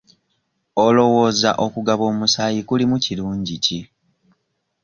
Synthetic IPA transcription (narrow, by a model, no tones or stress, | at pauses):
o̞lo̞wo̞ːza̰ʔo̞kuɡaβo̞ːmusaːjikulimuciluːɲɟici